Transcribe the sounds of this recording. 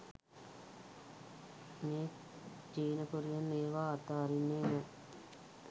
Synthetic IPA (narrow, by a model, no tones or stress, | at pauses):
meː | d͡ʒiːnəkuɾijənːeːʋaːt̪aːɾinːeːmə